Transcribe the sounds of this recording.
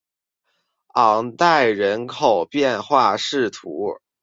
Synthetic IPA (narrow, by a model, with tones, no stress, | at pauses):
ɑ˨˩ŋt̪a˥˩ɪɻə˧˥nkʰo˨˩ʊpjɛ˥˧nxwa˥˧ʂɻ̩˥˩t̪ʰu˧˥